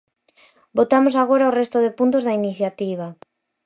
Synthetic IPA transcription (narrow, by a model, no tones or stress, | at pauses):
bot̪amosaɣ̞oɾaorest̪oðepunt̪ozðainiθjat̪iβ̞a